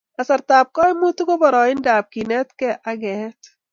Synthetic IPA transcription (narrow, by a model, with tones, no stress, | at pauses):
ɐsɐ˨ɾt̪aːp̚kɔ˦jmu˦t̪uɡo˦bɐ˨ɾɔː˨ɪ˦ndaː˨b̚ki˨nɛ˦t̪ke˨ʔaɡɛ˨t̪